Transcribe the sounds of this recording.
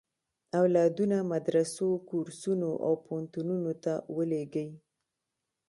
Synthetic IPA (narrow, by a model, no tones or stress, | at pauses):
awlɑd̪unamad̪ɾasokoɾsunoʔa̰wpont̪ununot̪awəleɡəj